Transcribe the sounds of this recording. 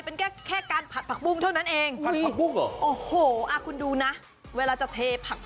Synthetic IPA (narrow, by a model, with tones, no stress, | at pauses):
jpe˧nkʰɛː˥˩kʰɛː˥˩kaː˧npʰa˨˩t̪̚pʰa˨˩k̚bu˥˩ŋt̪ʰa˥˩wna˦˥nʔeː˧ŋ˧˨u˥˩ŋ˧˩ʔoː˨˧˩hoː˨˩˦ʔa˧˩kʰu˧nduː˧na˦˥ʔ | weː˧laː˧t͡ɕa˨˩t̪ʰeː˧pʰa˨˩k̚